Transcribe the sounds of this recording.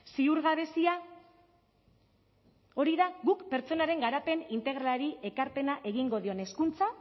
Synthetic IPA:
siuɾɣaβe̞sia | o̞ɾiðaɣukpe̞ɾt͡so̞naɾe̞ŋɡaɾape̞nint̪e̞ɣɾaaɾiʔe̞kaɾpe̞naʔe̞ɣiŋɡo̞ð̞io̞ne̞skunt͡sa

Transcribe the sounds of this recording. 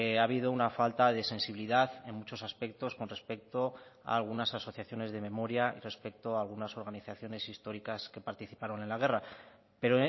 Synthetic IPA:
aβ̞iðo̞unafalt̪aðe̞se̞nsiβiliðaθe̞nmut͡ʃo̞saspe̞k̚t̪o̞sko̞nre̞spe̞k̚t̪o̞a̰ːlɣ̞unasaso̞θjaθjo̞ne̞zðe̞me̞mo̞ɾjaḭre̞spe̞k̚t̪o̞aːlɣ̞unaso̞ɾɣaniθaθjo̞ne̞sist̪o̞ɾikaske̞paɾt̪iθipaɾo̞ne̞nlaɣ̞e̞ra | pe̞ɾo

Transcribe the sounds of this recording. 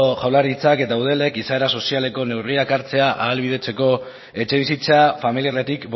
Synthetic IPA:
oʝawlaɾit͡sake̞t̪auð̞e̞le̞kisaeɾaso̞siale̞ko̞ne̞wriakaɾt͡se̞aʔa̰ːlβiðe̞t͡se̞ko̞ | e̞t͡ʃe̞β̞isit͡safamiliaret̪ikb

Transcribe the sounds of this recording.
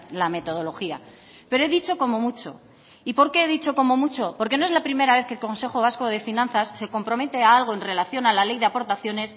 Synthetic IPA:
lame̞t̪o̞ð̞o̞lo̞xia | pe̞ɾoeðit͡ʃo̞ko̞mo̞mut͡ʃo̞̰ | ipo̞ɾke̞eðit͡ʃo̞ko̞mo̞mut͡ʃo̞po̞ɾke̞noe̞zlapɾime̞ɾaβe̞θkelko̞nse̞xo̞β̞asko̞ð̞e̞finãnθasːe̞ko̞mpɾo̞me̞t̪eaalɣ̞o̞e̞nre̞laθjo̞nalale̞jðeapo̞ɾt̪aθjo̞ne̞s

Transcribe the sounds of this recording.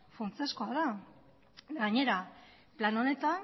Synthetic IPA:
funt͡seskoaða | ɡaɲe̞ɾa | plano̞ne̞t̪an

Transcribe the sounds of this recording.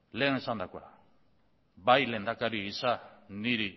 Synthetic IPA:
leŋesand̪akwaɾa̰ | bajlend̪akaɾiisaniɾi

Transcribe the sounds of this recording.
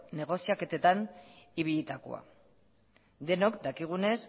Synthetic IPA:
ne̞ɣ̞o̞siake̞t̪e̞t̪aniβ̞iʎit̪ako̞̰a̰ | d̪e̞nokd̪akiɣ̞une̞s

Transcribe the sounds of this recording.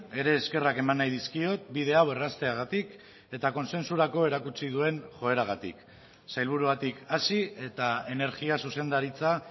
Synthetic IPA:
e̞ɾe̞ːske̞rake̞manːajðiskio̞t̪̚bið̞e̞awe̞rast̪e̞aɣat̪ik | e̞t̪ako̞nse̞nsuɾako̞e̞ɾakut͡sið̞ue̞nʝo̞e̞ɾaɣ̞at̪ḭk | sajlβ̞uɾuβat̪ikasie̞t̪ae̞ne̞ɾɣiasuse̞nd̪aɾit͡sa

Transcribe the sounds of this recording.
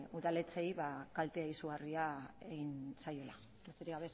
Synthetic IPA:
uðale̞t͡sejβakalt̪eaisuɣariaeɣinsajo̞la̰ | est̪eɾiɣaβe

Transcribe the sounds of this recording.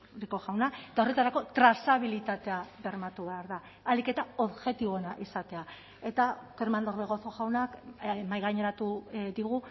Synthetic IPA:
ɾiko̞ɣawnaet̪ao̞re̞t̪aɾako̞t̪ɾasaβilit̪at̪e̞aβe̞ɾmat̪uβe̞aɾðaː | like̞t̪ao̞ðʝe̞t̪iβo̞enaʔisat̪e̞a | e̞t̪akeɾmand̪o̞ɾðeɣ̞o̞θoɣawnakmajɣaɲe̞ɾat̪uðiɣu

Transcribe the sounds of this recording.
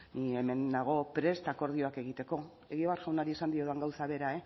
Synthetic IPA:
nieme̞nd̪aɣ̞o̞pɾe̞st̪ako̞ɾðio̞ake̞ɣ̞it̪e̞ko̞ | e̞ɣiβaɾʝawnaɾie̞sand̪ioðaŋɡawsaβe̞ɾae̞

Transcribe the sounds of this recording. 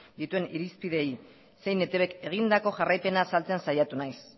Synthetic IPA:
d̪it̪ue̞niɾispið̞e̞j | se̞jne̞t̪e̞βe̞ke̞ɣ̞ind̪ako̞ʝarajpe̞nasalt͡seansajat̪unajs

